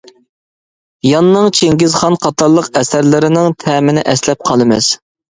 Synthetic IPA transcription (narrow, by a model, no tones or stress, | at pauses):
jɑnːɨŋt͡ʃʰeŋɡʲɪzχɑnqʰɑt̪ɑɾlˠəqɛsæɾlɪɾɪnɪŋt̪ʰɛmɪnɪʔɛslɛp̚qʰɑlˠɨmɪ̰z̥